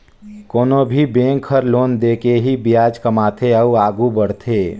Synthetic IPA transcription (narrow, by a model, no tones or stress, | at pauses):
koːnobʱibẽːŋkʰəɾloːnd̪eːkeɦibɪjaːd͡ʒkəmaːt̪ʰeəuaːɡubəɽt̪ʰeː